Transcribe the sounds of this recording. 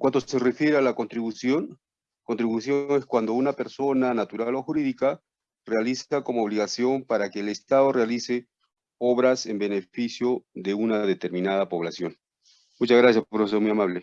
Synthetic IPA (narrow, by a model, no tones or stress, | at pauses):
kwant̪o̞se̞re̞fje̞ɾealako̞nt̪ɾiβusjo̞ŋ | ko̞nt̪ɾiβusjo̞ŋe̞skwand̪ounape̞ɾso̞nanat̪uɾalo̞xuɾiðika | realisako̞mooβliɣasjo̞mpaɾake̞ːlest̪aðo̞realise̞ | o̞βɾase̞mbe̞ne̞fisjo̞ðe̞unaðet̪e̞ɾmĩnað̞apo̞β̞lasjo̞ŋ | mut͡ʃazɣɾasjasppɾofesomujamaβle̞